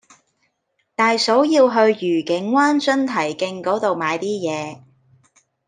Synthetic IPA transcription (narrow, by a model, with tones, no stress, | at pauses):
t̪aː˨jso˨˥wjiː˧wɦɵ˧ɥjyː˨˩kɪ˨˥ŋwaː˥nt͡ʃɵ˥nt̪ʰɐ˨˩jkɪ˧ŋkɔː˨˥t̪o˨wmaː˨˧jt̪iː˥jɛː˨˧